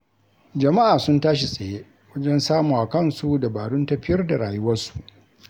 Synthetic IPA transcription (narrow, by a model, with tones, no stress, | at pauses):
d͡ʒɐ˨ma˦ʔaː˨sʊ˦ntaː˦ʃ̬i˨sʼɐ˨jeː˦ | wɐ˦d͡ʒɛ˦nsaː˦muː˨ʔa˨kɐ˦nsu˨da˨baː˨ɽʊ˦ntɐ˦ɸɪ˦jɐ˦rda˨ɽaː˨jʊ˦wɐ˦rsu̥˨ʔ